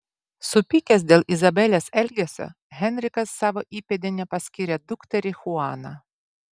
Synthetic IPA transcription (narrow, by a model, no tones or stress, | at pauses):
sʊpʲikʲɛs̬d̪ʲeːlˠɪzɐbʲɛlʲesɛlʲɡʲesʲo̰ | ɣʲɛnʲɾʲɪkɐsːɑːʋoʔiːpʲɛd̪ʲɪnʲɛpɐsʲkʲiːɾʲɛd̪ʊkt̪ʲɛɾʲɪxʊɑːnɑ̰